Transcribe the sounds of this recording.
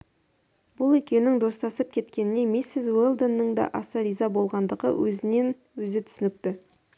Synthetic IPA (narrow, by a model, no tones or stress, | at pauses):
bʊlˠekʲe̞wnɪŋd̪o̞st̪ɑsəp̚kʲʰe̞t̪kʲe̞nɪne̞mesɪzwelˠd̪ənːəɴd̪ɑ̰ʔɑsɑɾijzɑbo̞lˠʁɑnd̪əʁə̰wʔɵ̰zɪne̞n | wɵzɪt̪ʰʏ̥sɪnɪk̚t̪ɪ